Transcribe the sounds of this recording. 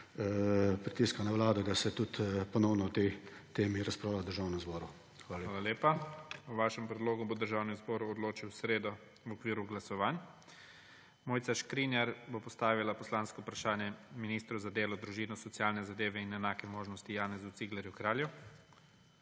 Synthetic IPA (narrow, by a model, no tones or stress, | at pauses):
pɾit̪iːskanaʋlaːd̪ɔd̪asɛt̪ut̪pɔnɔwnɔt̪ɛt̪eːmiɾaspɾawlad̪əɾʒaːwnɛmzbɔːɾu | aːlaleːpawʋaːʃɛmpɾɛd̪loːɡubod̪əɾʒaːwnɛzbɔːɾuɔd̪loːt͡ʃiwsɾeːd̪ɔ | wɔkʋiːɾuɡlasɔʋaːn | moːjt̪saʃkɾinjaɾbopɔst̪aːʋilapɔslaːnskɔpɾaʃaːnjɛminist̪ɾuzad̪eːlɔd̪ɾuʒiːnɔsɔt̪sjaːlnɛzad̪eːʋɛinɛnaːkɛmoːʒnɔst̪ijaːnɛzut̪siɡlɛɾjukɾaːlju